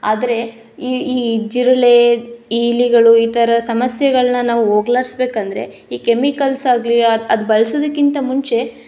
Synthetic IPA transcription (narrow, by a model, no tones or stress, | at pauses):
aːd̪ɐɾe̞ | iːiːd͡ʒiɾɐle̞iliɡɐɭuiːt̪ʰɐɾɐsɐmɐsjɛɡɐɭɐnɐnaːʋuɦoːɡlaːɾsbe̞ːkɐnd̪ɐɾe̞̰ | iːkemikɐlsaːɡliɐɐd̪ubɐɭɐsoːd̪ɐkːint̪ɐmuɲt͡ʃe̞